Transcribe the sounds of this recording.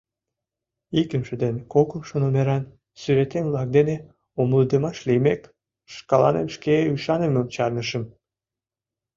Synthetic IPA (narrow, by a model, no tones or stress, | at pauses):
ikəmʃə̆d̪enkokəmʃonomeɾɑn | syɾet̪emvlɑk̚d̪ene | omləd̪əmɑʃlemek | ʃkɑlɑ̰nḛmʃkeyʃɑnemølt͡ɕɑrnəʃəm